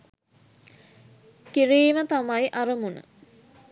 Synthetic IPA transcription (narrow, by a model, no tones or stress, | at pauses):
kiɾiːmət̪amajʔaɾəmunə̰